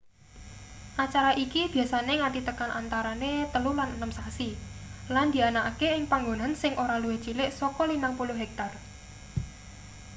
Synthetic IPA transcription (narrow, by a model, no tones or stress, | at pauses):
ʔat͡ʃaɾaʔikib̥i̤asaneŋaʈit̪əkanʔa̰nt̪aɾanet̪əlulanənəmsasiland̪̥i̤anaʔkeɪŋpaŋɡo̤nansɪŋʔoɾaluet͡ʃilɪʔsɔkɔlinaŋpuluɦɛk̚t̪ar